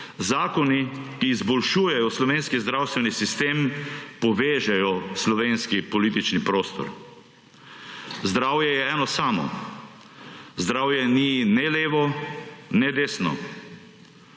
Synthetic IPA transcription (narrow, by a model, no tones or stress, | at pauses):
zaːkɔnikiːzbɔlʃuːjɛjɔslɔʋeːnskizd̪ɾawst̪ʋɛnisist̪eːmpɔʋeːʒajɔslɔʋeːnskipɔliːt̪it͡ʃnipɾoːst̪ɔ̰ɾ | zd̪ɾaːwjɛjɛɛːnɔsaːmɔ̰ | zd̪ɾawjɛninɛleːʋɔ | nɛd̪eːsnɔ̰